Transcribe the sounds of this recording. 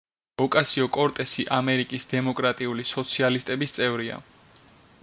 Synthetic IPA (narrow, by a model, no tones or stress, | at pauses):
ɔkʼasiɔkʼɔɾt̪ʼɛsiʔamɛɾikʼisd̪ɛmɔkʼɾat̪ʼiulisɔt̪sʰialist̪ʼɛbist̪sʼɛvɾia̰